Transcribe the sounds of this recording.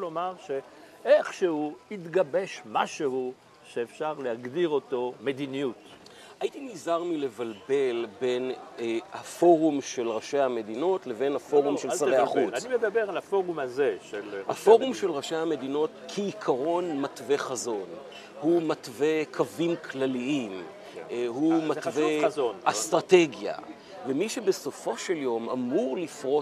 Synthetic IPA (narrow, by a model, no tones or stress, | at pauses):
lomaʁʃe | eχʃehuit̪ɡabe̞ʃmaʃehu | ʃeːfʃaʁlehaɡdiʁo̞to̞me̞d̪inijut̪ | ajit̪inizaʁmile̞valbe̞lbe̞nhafo̞ʁumʃelʁaʃejhame̞dino̞tle̞ve̞nhafo̞ʁumʃesaʁʁeaχutanimed̪abeʁalafo̞ʁumazeʃelhafo̞ʁumʃe̞lʁaʃehame̞dino̞tkʰiːkʰaʁo̞nmatve̞χazo̞n | humatve̞kʰavimkʰlaliim | humatveonastʁate̞ɡja̰ | vemiʃebe̞so̞fo̞ʃeljo̞ma̰muʁlifʁo̞